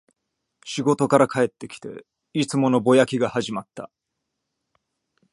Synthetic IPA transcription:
ɕiɡo̞t̪o̞kaɾakʰae̞t̪ːe̞kʲi̥t̪e̞̰ | it͡sɨmo̞no̞bo̞jakʲiɡahaʑimat̪ːa̰

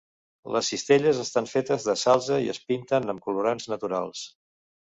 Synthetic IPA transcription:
ləsːist̪eʎəzəst̪aɱfet̪əzðəsalˠzəiə̰spint̪ənəmkuluɾanznət̪uɾa̰lˠs

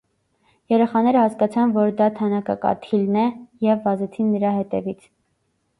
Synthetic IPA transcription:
jɛɾɛχɑnɛɾəhɑskɑt͡sʰɑnvɔɾd̪ɑt̪ʰɑnɑkɑ̰kɑ̰t̪ʰilnɛjɛvːɑzɛt͡sʰinːəɾɑɦɛt̪ɛ̰vit͡sʰ

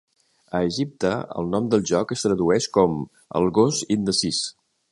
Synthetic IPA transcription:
əːʒip̚t̪əə̰lˠnɔmd̪əlˠʒɔkəst̪ɾəðuɛʃkɔm | ə̰lˠɣozind̪əsis

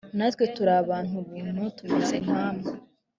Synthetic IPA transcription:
nat̪wetuɾaβaːn̥uβiːn̥hutumezenhaːma

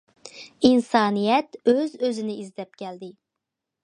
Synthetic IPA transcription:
insɑːnijɛt̪øzøzɪnɪizd̪ɛp̚kʲʰɛld̪ɪ

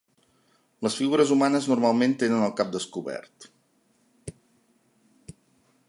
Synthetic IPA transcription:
ləsfiɣuɾəzumanəznurmalˠment̪enənəlˠkap̚d̪əskuβɛ̰rt̪

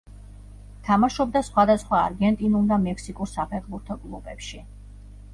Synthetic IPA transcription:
t̪ʰamaʃɔb̚d̪asχwad̪asχwa̰ːɾɡɛnt̪ʼinulˠd̪amɛksikʼuɾsapʰɛχbuɾt̪ʰɔkʼlˠubɛpʃi

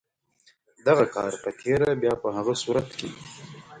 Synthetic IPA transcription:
d̪aɣakɑ̰ːɾpət̪ʰeɾabjaːpəɦaɣasuːɾat̪kḛ

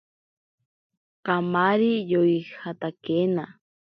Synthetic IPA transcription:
kamaɾijojhat̪akena

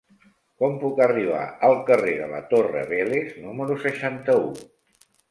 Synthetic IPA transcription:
kɔmpukəriβ̞a̰əlˠkəreðələ̰t̪orə̰βeleznuməɾusəʃant̪əu

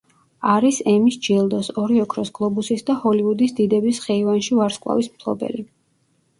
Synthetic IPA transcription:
aɾisɛmisd͡ʒilˠd̪ɔsɔɾiɔkʰɾɔsɡlˠɔbusisd̪ahɔliud̪isd̪id̪ɛbisχɛivanʃivaɾskʼwˠa̰vismpʰlˠɔ̰bɛ̰li

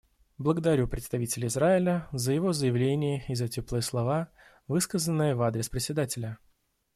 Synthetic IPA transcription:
blˠəɡəd̪ɐɾʲupɾʲɪt̪st̪ɐvʲitʲɪlʲɪɪzɾaɪlʲəzəjɪvo̞zəjɪvlʲenʲɪjəɪzɐtʲoplˠɨjəslˠɐva | vɨskəzənːɨjəvad̪ɾʲɪspɾʲɪtʲsʲɪd̪atʲɪlʲə

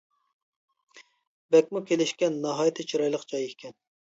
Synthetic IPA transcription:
bɛkʲmukʲʰelɪʃkʲɛnːɑɦɑjt̪ʰɪt͡ʃʰiɾɑjlˠəqd͡ʒɑjekʲkʲʰɛn

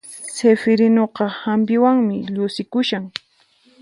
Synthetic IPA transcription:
sefɪɾɪnoqɑhampɪwaŋmɪʎʊsɪkʊʃaŋ

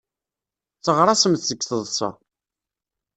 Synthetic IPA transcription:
t͡sːəʁɾˤɑsəmθsəkːθəðˤsɑ̰

